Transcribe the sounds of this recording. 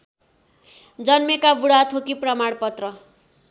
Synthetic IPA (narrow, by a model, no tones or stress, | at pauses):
d͡zʌnmekabuɽat̪ʰokiprʌmaɽpʌt̪rʌ